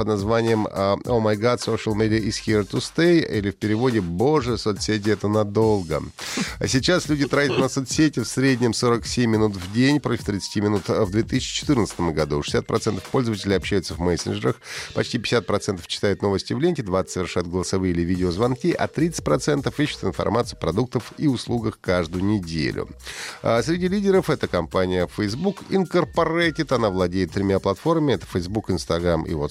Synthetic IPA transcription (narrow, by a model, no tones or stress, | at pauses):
pəd̪nazvanʲɪjəmomajɡat̪soʂəlˠmʲedʲɪəʔisxʲiɾt̪ʊst̪ejilʲɪfpʲɪɾʲɪvo̞dʲɪboʐɨjəsot̪sʲetʲɪɛt̪ənɐd̪o̞lˠɡə̰sʲɪt͡ɕaslʲudʲɪt̪ɾatʲɪt̪nəsot̪sʲetʲɪfsɾʲedʲnʲɪmso̞ɾəksʲemʲːɪnut̪vdʲenʲpɾo̞tʲɪ̥ft̪ɾʲɪt̪sɨ̥tʲimʲɪnut̪vd̪vʲet̪ɨsʲɪt͡ɕɪ̥t͡ɕɪ̥t̪ɨrnət̪sə̥t̪əmɡɐd̪uʂɨ̥sʲat̪̚pɾʔɐt̪sɛnt̪ə̥fpo̞lʲzəvətʲɪlʲɪɐpɕːæjʊt̪səvmɛsʲɪnʐɨɾəxpɐt͡ɕtʲipʲɪ̥sʲat̪̚pɾɐt̪sɛnt̪ə̥ft͡ɕːɪ̥t̪ajʊt̪no̞vəsʲtʲɪvlʲenʲtʲɪd̪vasʲəvʲɪrʂajʊt̪ɡəlˠəsɐvɨəilʲɪvʲidʲɪozvɐnkʲiʔɐ̰t̪ɾʲit̪sɨ̥t̚ʲpɾɐt̪sɛnt̪əfiɕːʊ̥t̪ɨnfɐ̰rmat̪sɨpɾɐd̪uk̚t̪əfiʊslˠuɡəxkaʐd̪ʊjʊnʲɪdʲḛlʲʊ̰ | sʲɾʲɪdʲilʲidʲɪɾəfɛt̪əkɐmpanʲɪjəfəjzbukɪ̰nkərpɐɾatʲɪt̪ɐnavlˠɐdʲeɪt̪̚t̪ːɾʲɪmʲaplˠɐt̪fo̞rməmʲɪɛt̪ə̥fəjzbukɪnst̪ɐɡɾamḭvo